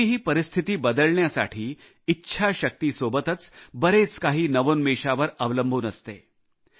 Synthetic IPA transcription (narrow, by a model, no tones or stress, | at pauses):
iɦiːpəɾist̪ʰit̪iːbəd̪əɭɳjasa̰ʈʰiː | itːɕʰaɕək̚t̪iːsobət̪ət͡sbəɾet͡skaɦiːnɐʋoːnmiʂaʋəɾəʋləmbʱuːnəst̪e